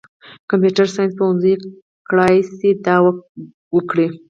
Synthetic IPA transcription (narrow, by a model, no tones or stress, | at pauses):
kampjuʈaɾsɑjnspaɾunzəj | kɽɑjsed̪ɑwa | wəkɽi